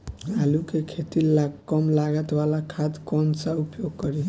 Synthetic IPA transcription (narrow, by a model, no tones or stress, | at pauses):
ɦalukekʰet̪ilakʌmlaɡət̪walakʰad̪kɔnsaupjoɡ̚kʌɾi